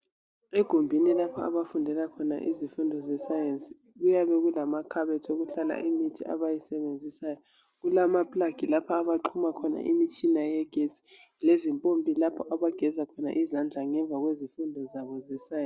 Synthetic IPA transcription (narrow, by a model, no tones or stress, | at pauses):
ɛɡ̥ʱombʱinilapʰɔa̰βafundʱɛlakʰɔna̰ʔḭzifundʱɔzɛsajensʼi | ɣujaβɛɣulamakʰaβɛtʰoɣuɬala̰ʔimitʰiʔa̰βajisɛβend͡zʱisajɔ | ɣulamapʼlaɡ̥ʱilapʰaːβaǃʰumakʰɔna̰ʔimit͡ʃʼinajɛɡ̥ʱet͡sʰʼi̥ | lezimpʼompʼilapʰɔʔaβaɡ̥ʱɛzakʰɔna̰ʔizand͡ɮʱaŋɛɱvʱaɣwezifundʱɔzaβɔzɛsaj